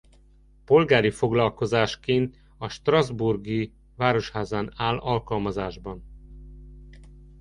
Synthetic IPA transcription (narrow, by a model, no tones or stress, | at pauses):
po̞lɡaːɾifo̞ɡlɒlko̞zaːʃkeːnt̪ | ɒʃt̪rɒzburɡi | vaːɾo̞ʃhaːzaːnaːlɒlkɒlmɒzaːʒbɒn